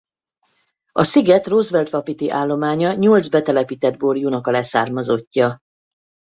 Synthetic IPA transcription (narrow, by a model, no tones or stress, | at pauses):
ɒsiɡɛt̪roːzvʋɛld̪vɒpit̪iʔaːlːo̞maːɲɒɲold̪zbɛt̪ɛlɛpiːt̪ɛd̪̚borjunɒkɒlɛsaːrmɒzo̞cːɒ